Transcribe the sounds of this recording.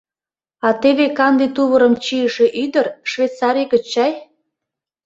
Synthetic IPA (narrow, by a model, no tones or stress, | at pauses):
ɑt̪eβekɑnd̪it̪uβəɾəmt͡ɕiəʃe̽ʔyd̪ərʃvet̪t͡sɑɾijkə̆t͡ɕːɑj